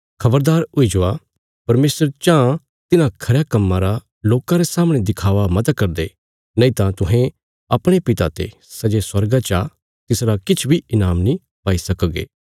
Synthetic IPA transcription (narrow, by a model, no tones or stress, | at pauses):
kʰɐbəɾd̪aːɾʊid͡ʒoa | pɐɾmeːsəɾt͡ʃã | t̪ɪnãkʰɐɾjakɐmːãɾa | loːkãɾesaːməɽ̃ed̪ɪkʰaːʋamɐt̪kɐɾd̪eː | nɐĩt̪ãt̪ʊɦẽ | ɐpɽ̃epɪt̪a̰t̪ḛ | sɐd͡ʒeswɐɾɡat͡ʃa | t̪ɪsɾakɪt͡ʃʰbʱiɪnaːmnĩ | paːisɐkəɡḛː